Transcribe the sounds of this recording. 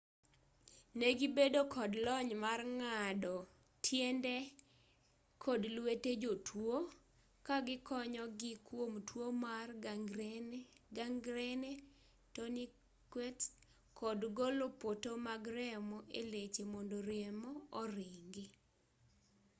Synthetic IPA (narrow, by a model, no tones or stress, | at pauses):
neɡibedokʰɔdlɔɲmarŋadɔ | tʰjendɛ | kʰɔdlweted͡ʒotʰwo | kaɡɪkɔɲɔɡɪkwomtwomar | ɡaŋɡɾɛnɛ | tɔni | kwɛt | kʰɔdɡolopotomaɡɾɛmɔʔḛlet͡ʃemɔndoɾiemɔɔɾɪŋɡe